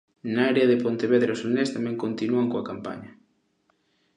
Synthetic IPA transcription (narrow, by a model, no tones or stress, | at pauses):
naaɾeɐðɪpont̪eβeðɾaosolnest̪amɛ̃ŋkont̪inuaŋkoakampa̰ɲɐ